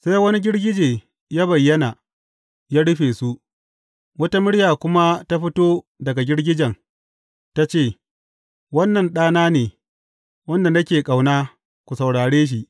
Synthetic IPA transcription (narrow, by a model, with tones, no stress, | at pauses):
sa˦jwɐ˦ni˦ɡʲɪ˦ɽɡʲɪ˦d͡ʒeː˨ | jaː˦bɐ˨jːɐ˦na˨ | jaː˦ɽʊ˦ɸeː˨su˦ʔ | wɐ˦ta˦mɪ˦ɽjaː˨kʷʊ˦ma˦ta˦ɸɪ˦toː˦dɐ˨ɡa˨ɡʲɪ˦ɽɡʲɪ˦d͡ʒɐ˨ŋ | ta˦t͡ʃeː˦˨ | wɐ˦nːɐ˨nɗaː˦naː˦neː˨ | wɐ˦nda˨nɐ˦kʲeː˨kʼa˨wnaː˦ | kʷu˨sɐ˨wɽaː˨ɽeː˦ʃ̬i˨ʔ